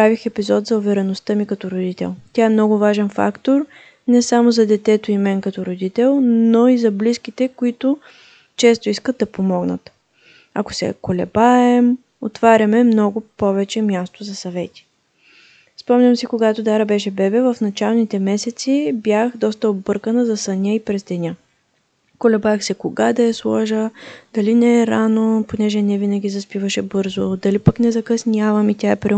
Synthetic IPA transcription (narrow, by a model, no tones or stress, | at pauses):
ɾavixɛpizɔt̪zɐʊvɛɾɛnost̪əmikɐt̪ɔɾod̪it̪ɛ̰lˠt̪ʲjaɛmnɔɡʊvaʒɛnfa̰kt̪oɾ | nɛsamozɐd̪ɛt̪ɛt̪oimɛnkɐt̪ɔɾod̪it̪ɛlˠnoizɐbliskit̪ɛkʊit̪ʊ | t͡ʃɛst̪oiskəd̪̚d̪ɐpomɔɡnə̰t̪ | ɐ̰ko̥sɛ̰kolɛ̰baɛm | ot̪vaɾʲɐmɛmnɔɡʊpɔvɛt͡ʃɛmʲjast̪ozɐsɐvɛt̪i̥ | spɔmnʲɐmsikoɡat̪od̪aɾəbɛʃɛbɛbɛvɐfnɐt͡ʃalˠnit̪ɛmɛsɛt̪sibjaxd̪ɔst̪əobɤɾkənəzɐsənʲiəipɾɛzd̪ɛnʲa | kolɛbaɛxsɛkoɡad̪ɐɛslˠɔʒəd̪̥ɐlinɛːɾanoponɛʒɛnɛvinɐɡʲizɐspivəʃɛbɤɾzod̪ɐlipəknɛzɐkɐsnʲjavɐmit̪ʲjaɛpɾɛ